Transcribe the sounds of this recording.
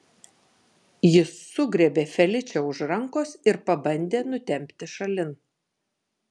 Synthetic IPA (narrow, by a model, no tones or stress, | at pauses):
jɪsːʊɡɾʲeːbʲeːfʲɛlʲɪt͡ʃʲɛʊʃɾɐŋkoːsɪɾpɐbɐnʲd̪ʲeːnʊt̪ʲɛmʲpʲt̪ʲɪʃɐlʲɪn